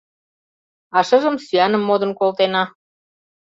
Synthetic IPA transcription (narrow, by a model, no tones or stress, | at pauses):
ɑʃə̆ʒəmsyɑnə̆mːod̪ə̆nkolt̪enɑ